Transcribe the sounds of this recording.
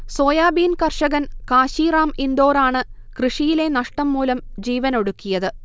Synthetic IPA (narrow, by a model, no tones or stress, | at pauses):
so̞ːjaːbiːnkɐrʂɐɣɐnkaːɕiːɾaːmind̪o̞ːɾaːɳɨ | krɨʂijile̞nɐʂʈɐmːuːlɐmd͡ʑiːʋɐno̞ɽukːijɐðɨ